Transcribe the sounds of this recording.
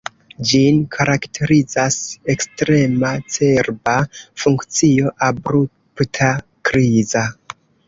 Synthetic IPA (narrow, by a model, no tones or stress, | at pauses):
d͡ʒinkʰaɾaktʰe̞ɾid͡zase̞kstɾe̞mat͡se̞ɾbafuŋkt͡sio̞ʔabɾu | ptʰa | kɾiza